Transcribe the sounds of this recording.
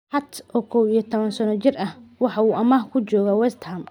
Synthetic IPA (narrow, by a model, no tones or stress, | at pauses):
hɑt̪ʔɔːkʰɔwijɔt̪ʰɔβɐnsɐnɔt͡ʃɪrɐhwɑħɑuːʔɐmɐhkʰʊt͡ʃɔːɣawɛst̪hɐm